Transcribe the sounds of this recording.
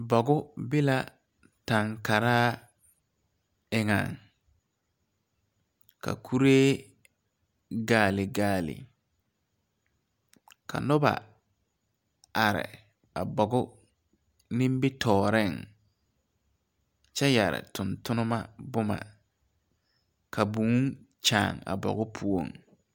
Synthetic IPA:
bɔ˨ɡʊ˦bɪ˦la˦ | ta˨ŋka˨ɾaː˦ | ɪ˦ŋa˨ŋ | ka̰˨kʰu˦ɾeː˦ | ɡaː˨lɪ˨ɡaː˨lɪ̰˨ | kʰa̰˨nʊ˦ba̰˨ | a˨ɾɪ̰˨ | a˨bɔ˨ɡʊ˦ | nɪ̃˦m˦bɪ˦tʰɔː˨ɾɪ˦˨ŋ | t͡ʃɛ˦ja˨ɾɪ̰˨tʊ˨ntʊ˦nʊ˦ma˦bʊ˦ma̰˨ | kʰa˨bu˨ŋu˦ŋ | t͡ʃaː˨ŋa̰˨bɔ̰˨ɣʊ˦pʰu˦o̰˨ŋ

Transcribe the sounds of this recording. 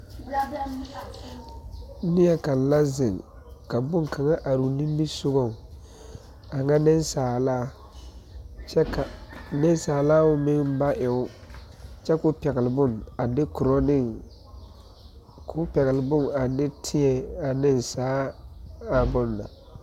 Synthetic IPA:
nɪ˦jɛ˨ka˨n˨la˦zɪ˨ŋ | ka˨bʊ˦ŋ˨kʰa˨ŋa˦ʔa˨ɾu˨ni˦mbi˦sʊ˦ɣɔ˦˨ŋ˨ | a˨ŋa˦nɪ˦nsaː˨laː˦ | t͡ʃɛ˦ka˨nɪ˦n˦saː˨laː˦ʊ˦mɪ˦ŋba˦ʔɪ˨ʊ˦ | t͡ʃɛ˦kʊ˦pɛ˨ɣɪ˨lɪ˨bʊ˦na˨dɪ˦kʊ˨ɾɔ˦nɪ˦˨ŋ | kʰʊ˦pɛ˨ɣɪ˨lɪ˨bʊ˦˨ŋa˨dɪ˦tʰɪ˦ɛ˨a˨nɪ˦nsaː˨˦ | a˨bʊ˦nla̰˨

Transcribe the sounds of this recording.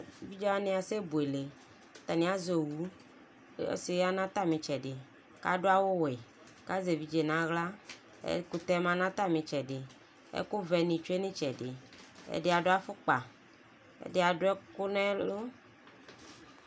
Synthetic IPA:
vi˦d͡ʒɔ˦a˦nẽ˨˦a˨se˦bu˨e˨le˨˦ | t̪a˨nĩ˨˦a˦zo˨wu˦ | ḛ˦si˨ɣa˦nã˦t̪a˦mĩ˨t͡ʃɛ˨ɖɪ˨ | ka̰˦ɖo˦a˦wo˦we˨ | ka˦ze˨vi˨˦d͡ʒe˨nã˨ɣla˦ | ḛ˦ku˨t̪ɛ˦mã˨nã˦t̪a˦mĩ˨t͡ʃɛ˨ɖɪ˨ | ḛ˦ko˦vɛ˨nĩ˨t͡ʃu˦e˦nĩ˦t͡ʃɛ˨dɪ˨ḛ˦de˦a˨ɖo˦a˦fʊ˦k͡pa˨ | ḛ˦dɪ˦a˨ɖo˦ɛ˦kʊ˦nɛ̃˦lo˦

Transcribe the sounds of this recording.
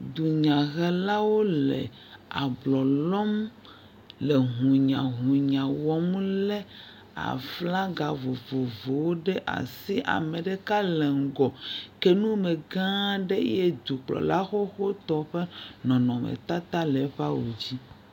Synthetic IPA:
d̪u˨ɲã˨ɣɛ˦la˦wo˦lɛ̰˨ | a˨blɔ˨lɔ˦m | le˨ɦũ˨ɲã˨ɦũ˨ɲã˨wɔ˦m˦lɛ˦ | a̰˨fla˦ɡa˨vo˨vo˨vo˨wo˦ɖɛ˦ʔa̰˨si˦ʔa̰˨mɛ̃˨ɖɛ˦ka˦lɛ˨ŋ̩˨ɡɔ˨kɛ˦nũ˦me˨ɡã˦ɖɛ˦jɛ˦d̪u˨k͡plɔ̰˨la˦xo˦xo˦t̪ɔ˦ɸe˦nɔ̃˨nɔ̃˨mɛ̰˨t̪a˦t̪a˦lɛ˨˦ɸa˦wo̰˨d͡ʑi˦

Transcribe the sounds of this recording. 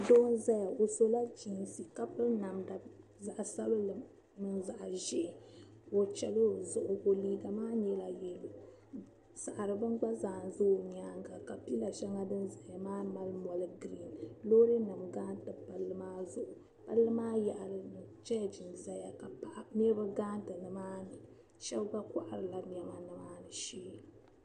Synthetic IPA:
doː˦n˦za˦ja˨ʔo˨so˦la˦d͡ʒi˨ŋsi˨ka˦pɨ˦lna˨mda˨za˨ʔsa˦lo˦lɨ˨ | mɨ˦nza˨ʔʒɪ˦˨ | o˨t͡ʃɛ˨lo˦˨zʊ˨ʔʊ˨ʔo˨liː˦ɡa˨maː˦ɲɛ˦la˨jɛ˨lo˨ | sa˨ʔɾɨ˨bɨ˦ŋɡ͡ba˦zaː˨n˨zʊ˦˨ɲaː˦ŋɡa˨ka˨pi˦la˨ʃɛ˦ŋa˦dɨ˦nza˨ja˨maː˦ma˨lmɔ˨lɨ˦ɡɾi˦nlo˦ɾi˦nɨ˨mɡaː˦n˦tɨ˨pa˨lːɨ˦maː˦zʊ˨ʔʊ˨ | pa˦lːɨ˦maː˦ja˨ʔlɨ˨nɨ˨t͡ʃɛ˦ja˨d͡ʒi˨nza˨ja˨ka˨pa˦ʔnɛ˦bɨ˦ɡaː˦ntɨ˨nɨ˨maː˦nɨ˨ | ʃɛ˦lɡ͡ba˦kʷa̰˨ʔa˨ɾɨ˨la˨ɲ˨ɛ˨ma˦nɨ˨maː˦nɨ˨ʃiː˦

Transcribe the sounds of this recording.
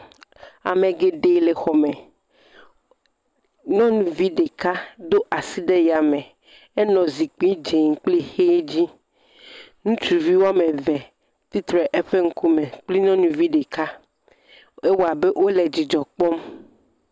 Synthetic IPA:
a̰˨mẽ˨ɡe˨ɖe˦le˨xɔ˨me˨ | nɔ̃˦nũ˨vi˦ɖe˨ka˦d̪o˦ʔa˨si˦ɖe˦ja˨me˨ | e˦nɔ̃˨zi˨k͡pĩ˦d͡ʒe˨ŋ̩˨k͡pli˦xe˦d͡ʑi˦ | nũ˦t͡ʃu˨vi˦wo˦a˦mẽ˨vɛ˨ | t̪i˦t̪ɾɛ˨ʔe˦ɸe˦ŋ̩˦ku˦mẽ˨k͡pli˦nɔ̃˦nũ˨vi˦ɖe˨ka˦ | e˦wo˦a˨be˦ʔwʔo˦le˨d͡ʑi˨d͡ʒɔ˨k͡pɔ˦m

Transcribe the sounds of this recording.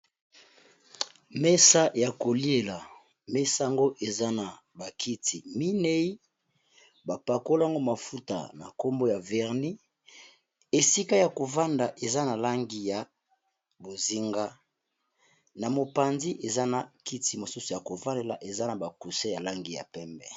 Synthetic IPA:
mɛ˦sa˦ja˨ko˨li˦e˨la˨ | mɛ˦sa˦a˦˨ŋɡo˦ʔe˨za˦na˨ | ba˨kʰi˦tʰi˨mi˦ne˦i˦ | ba˨pa˨ko˦lŋɡo˦ma˨fu˦ta̰˨na̰˨ko˦mbo˦ja˨vɛ˨ʁni˦ | e˨si˦ka˦ja˨ko˨va˦nda˨ʔe˨za˦na˨la˦ŋɡi˦ja˨ | bo˨zi˦ŋɡa˦ | na˨mo˨pa˨nzi˦ʔe˨za˦na˨ki˦ti˨mo˨su˦su˨ja˨ko˨va˦le˨la˨ʔe˨za˦na˨ba˨ku˨se˦ja˨la˦ŋɡi˨ja̰˨pɛ˦mbɛ˦

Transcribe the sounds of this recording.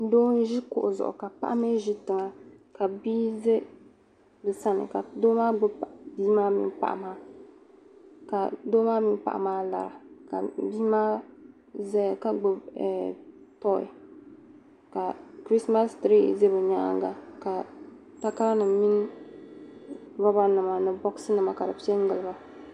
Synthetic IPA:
n̩˦doː˦n˦ʒi˦kʊ̰˨ʔzʊ̰˨ʔʊ̰˨ka˨pa̰˦ʔa˦me˦ʒi˦tɨ˨ŋa˨ka˨biː˦ze˦ | bɨ˨sa˦nɨ̰˨ka˨doː˦maː˦ɡ͡bo˦˨biː˦maː˦mḭ˦n˦pa̰˨ʔa̰˨maː˦ | ka˨doː˦maː˦mi˦n˦pa̰˨ʔa̰˨maː˦la̰˨ɾa̰˨ka̰˨biː˦maː˦ | zɛ˦˨ka˦ɡ͡bo˨˦ɛ˨tɔ˦ɪ̰˨ | ka˨kɾi˦sma˦stɾḭ˦˨ze˦bɨ˨ɲa˦ʔa̰˦ŋɡa̰˨ka˨ | ta˦ka˦lnɨ˨mi˦n˦ | va˦ba˦nɨ˨ma˨nɨ˨bɔ˦ksɨ˦nɨ˨ma˨ka˨dɨ˨pi˦e˦ŋ˦ɡɨ˨lɨ˨ba˨

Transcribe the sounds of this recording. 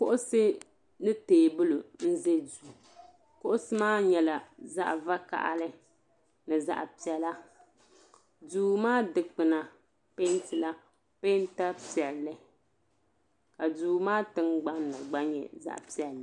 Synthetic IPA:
kʊ˦ʔʊ˦sɨ˦ | nɨ˦teː˨bʊ˦lo˨n̩˦ze˦duː˨ | kʊ˦ʔʊ˦sɨ˦maː˦ɲɛ˨la˨za̰˦ʔva˦ka̰˨ʔa̰˦lɨ˦ | nɨ˨za̰˦ʔpi˨ɛ˦la˦ | duː˨˦maː˦dɨ˨k͡pɨ˨na˨ | pe˦n˦tɨ˨la˦ | pe˦n˦ta˦pi˨ɛ˨llːɨ˦ | ka˨duː˨˦maː˦tɨ˦ŋɡ͡ba˦nːɨ˨ɡ͡ba˦ɲɛ̰˨za̰˦ʔpi˦ɛ˨lː

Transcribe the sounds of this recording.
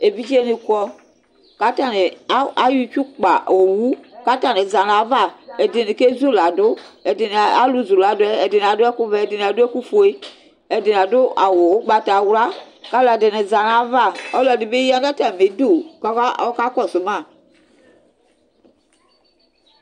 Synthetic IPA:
e˨bi˦d͡ʒe˦ni˨kɔ˦ | ka˦ta˦˨ne˨a˦a˦ju˦t͡ʃu˦k͡pa˨o˨wu˦ka˦ta˨ne˨za˨na˨˦va˦˨ɛ˨dɪ˨ne˨ke˦zu˦˨la˨dʊ˦ɛ˨dɪ˨n˨a˦lu˦zu˨la˨dʊ˦ɛ˦ɛ˨dɪ˨n˨a˨dʊ˦ɛ˦kʊ˦vɛ˨ɛ˨dɪ˨n˨a˨dʊ˦ɛ˦ku˦fo˨˦e˦ | ɛ˨dɪ˨n˨a˨dʊ˦ʔa˨wo˨˦ɡ͡ba˨ta˨wla˦ | ka˦la˨dɪ˨ne˨za˨na˨˦va˦˨ɔ˦lɔ˨dɪ˨be˦ja˦da˦ta˨me˨˦do˦˨kkka˦kɔ˦˨sʊ˨mã˦˨

